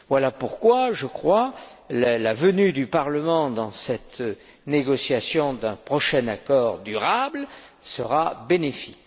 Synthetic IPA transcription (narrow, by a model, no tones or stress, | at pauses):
vwalapuʁkwaʒəkχwallavənyd̪ypaʁləmɑ̃d̪ɑ̃sɛt̪ | neɡɔsjasjɔ̃d̪ɛ̃pχɔʃɛnakɔʁd̪yʁablsəʁabenefi̥k